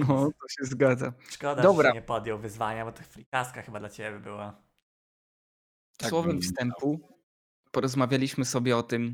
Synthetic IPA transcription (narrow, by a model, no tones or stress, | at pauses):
ɔt̪ɔɕɛzɡad̪zaʂkɔd̪ad̪ɔbɾaɲɛpɔd̪jɛwvɘzvaɲabɔt̪ɔfɾʲikaskaxɘbad̪lat͡ɕebʲbʲɛbɘwa | t̪swɔvɛmfst̪ɛmpu | pɔɾɔzmavʲjalʲiɕmɘsɔbʲjɛɔt̪ɘm